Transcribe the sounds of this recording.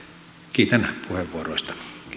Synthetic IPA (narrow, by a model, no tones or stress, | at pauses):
kiːt̪ænpʰuheʋːuoroist̪ɑ̥